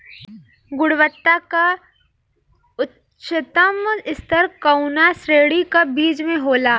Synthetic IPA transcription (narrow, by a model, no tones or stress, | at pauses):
ɡʊɽʋət̪ːaka | ʊt | ʃɪt̪əmɪst̪əɾkɐʊnasɾeːɽikabiːd͡ʒmẽɦoːlaː